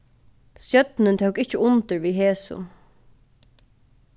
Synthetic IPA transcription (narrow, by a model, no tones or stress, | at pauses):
sjœt̪nɪnt̪ʰœwkɪht͡ʃəʊnt̪ɪɹʋiːɦeːsʊ̰